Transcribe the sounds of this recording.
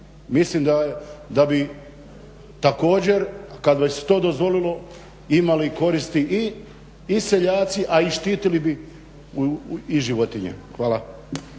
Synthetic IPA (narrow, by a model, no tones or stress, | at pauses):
mislimd̪ad̪abi | t̪ako̞ːd͡ʑe̞ɾkad̪ʋasse̥t̪o̞ːd̪ozʋo̞lilo̞ | imaliko̞ɾist̪iʔiː | seʎaːt̪siʔaiʃt̪iːt̪ilibi | iʒiʋot̪iɲḛxʋaːla